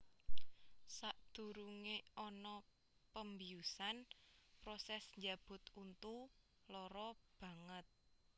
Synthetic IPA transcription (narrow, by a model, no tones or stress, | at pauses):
saʔd̪̥ṳɾuŋeɔnɔ | pəmbijusanpɾɔsɛsɲd͡ʒab̥ʊ̤t̪unt̪u | lɔɾɔb̥ä̤ŋət̪̚